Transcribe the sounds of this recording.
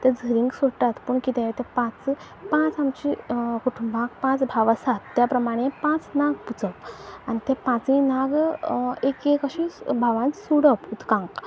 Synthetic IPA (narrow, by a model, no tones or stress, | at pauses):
t̪ed͡zʱəɾiŋɡsoʈat̪puɳkit̪ẽet̪ẽpãt͡s | pãt͡samt͡ɕikuʈʰumbãk̚pãt͡sbʱaʋsat̪ːjapɾəmaɽ̃ẽpãt͡snaɡput͡səpañit̪epãt͡sĩnaɡ | ekekəɕibʱaʋãnsuɽəput̪kãŋk